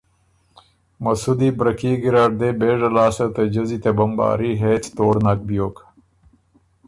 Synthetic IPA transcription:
mɐsud̪ibɾɐkiɡiɾaːɖd̪ebeːʐɐlaːsɐt̪ɐd͡ʑɐzit̪ebɐmba̰ːɾiɦeːt̪t̪oːɾnak̚bijoːk

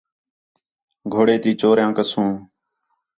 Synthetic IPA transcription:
ɡʱoːɽeːt̪iːt͡ʃoːɾjãːkəsũː

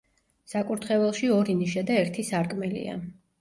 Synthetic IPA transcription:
sakʼuɾt̪ʰχɛvɛlˠʃiɔɾiniʃad̪aɛɾt̪ʰisaɾkʼmɛlḭa̰

